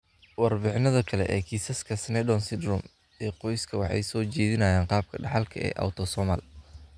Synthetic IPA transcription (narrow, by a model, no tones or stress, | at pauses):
wɑrbɪħnɐðɐkʰɐlɛ̰ʔɛ̰ːkʰiːsɐskʰɐsnɛdɔnsɪd̪rʊm | ɛːqɔjskʰɐwɑ̰ħɑ̰jsɔːt͡ʃɛːðɪnɐːjaːɴqɑːb̚kʰɐɖɑħɑlkʰɐʔɛ̰ːʔɐ̰wt̪ʰɔsɔma̰l